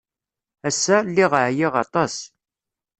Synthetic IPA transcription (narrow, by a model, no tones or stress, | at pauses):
æsːælːiʁəʕjɪʁɑt̪ˤɑs